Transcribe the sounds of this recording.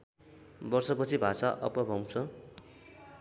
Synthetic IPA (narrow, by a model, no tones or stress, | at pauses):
bʌrsʌpʌt͡sʰibʱasaʔʌ̰pʌbʱʌw̃t͡sʰʌ